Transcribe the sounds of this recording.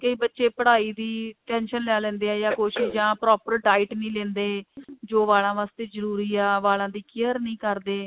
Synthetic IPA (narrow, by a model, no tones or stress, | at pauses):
kəiːbətːʃeːpəɽaːiːd̪iːʈɛ̃ːnʃənlɪaːlɛ̃ːnd̪eːɛːjãːkoːʃɪʃd͡ʒãːpɾɔːpəɾɖaːɪʈnĩːlɛ̃ːnd̪eːd͡ʒoːʋaːlãːʋaːst̪eːzəɾuːɾiːaːʋaːlãːd̪iːkɪjəɾnəĩːkəɾd̪eː